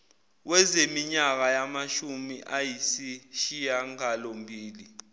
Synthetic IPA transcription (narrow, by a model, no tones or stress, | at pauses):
wɛzemiɲak̬ajamaʃumiʔajisiʃijaŋalombʱiːli